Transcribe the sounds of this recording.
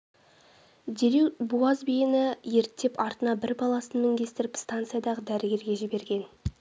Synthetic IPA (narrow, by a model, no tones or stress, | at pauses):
d̪ʲeɾiwbuɑzbijɪnɪje̞ɾt̪ːe̞pɑɾt̪ənɑbɪɾbɑlˠɑsənmɪŋɡʲe̞st̪ɪɾɪpst̪ant̪sɨjad̪ɑʁəd̪æɾɪɡʲe̞ɾɡʲe̞ʒɪbe̞ɾɡʲe̞n